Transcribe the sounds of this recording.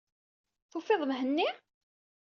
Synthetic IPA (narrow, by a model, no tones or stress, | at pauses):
θʊfːɪðˤmɦənːi